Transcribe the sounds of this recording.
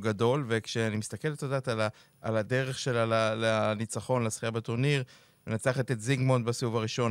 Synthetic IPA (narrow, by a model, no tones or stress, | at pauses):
ɡado̞lve̞kʃeanimist̪ake̞ltodaːt̪ala | alade̞ʁeχʃelalaleanit͡saχo̞nleasχijabet̪oʁniʁ | menat͡saχet̪etziɡmo̞nt̪basiuvaʁiʃo̞n